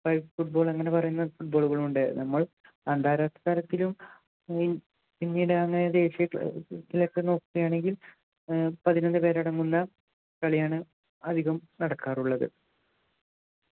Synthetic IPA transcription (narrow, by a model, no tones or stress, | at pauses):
fɐjfuʈ̚bo̞ːɭɐŋːɐne̞pɐrɐjunːɐðfuʈ̚bo̞ːɭuɣɐɭuɳɖɨnɐmːɐɭ | ɐnd̪ʱaːɾat̪ːɐ̥aːɾɐt̪ːilum | pinːijɽɨɐŋːɐnejɐd̪e̞ːɕijɐtːilekːeno̞ːkːuɣɐjaːɳe̞ŋɡil | pɐðinɐnːɨpe̞ːɾɐɽɐŋːunːɐ | kɐɭjaːɳɐ | ɐd̪ʱiɣɐmnɐɽɐkːaːruɭːɐðɨ̰